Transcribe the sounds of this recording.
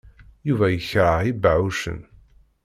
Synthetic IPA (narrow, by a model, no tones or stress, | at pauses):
juvæjəçɾˤəʕibaʕuʃə̰n